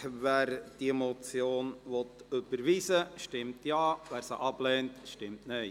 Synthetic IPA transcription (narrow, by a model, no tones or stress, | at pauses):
ʋæːɾd̥iɛmɔt͡sjoːnʋɔt̪øb̥əɾʋiːsəʃtɪmtjɑːʋæːɾsəʔɑb̥lɛːntʃtɪmtnœ